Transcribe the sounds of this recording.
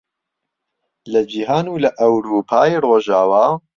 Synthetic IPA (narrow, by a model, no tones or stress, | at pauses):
lɐd͡ʒiːɦaːnuːlɐʔɐwɾuːpʰaːjroːʒaːwaː